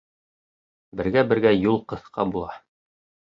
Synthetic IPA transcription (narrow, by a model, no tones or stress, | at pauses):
bɘ̆ɾɡæbɘ̆ɾɡæjulˠqɤ̆θqɑbulˠɑ